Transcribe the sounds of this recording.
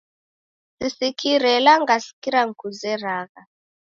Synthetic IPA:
sisikʰiɾɛlaŋɡasi̥kiɾaŋkʰuzɛraːɣa

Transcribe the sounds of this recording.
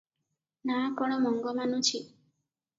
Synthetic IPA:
nakɔɽ̃ɔmɔŋɡɔmanũt͡ʃʰi

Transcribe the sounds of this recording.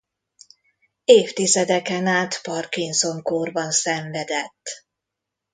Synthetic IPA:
eːft̪izɛd̪ɛkɛnaːt̪pɒrkinso̞ŋkoːrbɒnsɛɱvɛd̪ɛt̪ː

